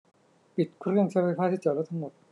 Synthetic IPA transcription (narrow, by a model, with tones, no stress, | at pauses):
pi˨˩t̪̚kʰu˥ɾɯ˥˩əŋt͡ɕʰa˥˩pʰa˥jfʰaː˥t̪ʰi˥˩t͡ɕɔː˨˩lɔ˥t̪ʰa˥ŋmo˨˩t̪̚